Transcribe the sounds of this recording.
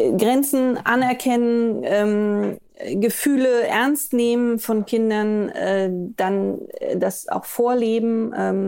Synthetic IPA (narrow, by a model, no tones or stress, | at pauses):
ɡʁɛnt͡sn̩ʔa̰nɛɐkʰɛnənʔɛːm | ɡəfyːləʔɛɐnstneːmənfɔnkʰɪndɐnɛːd̥anːd̥asa̰ʊxfoːɐleːbm̩ʔɛːm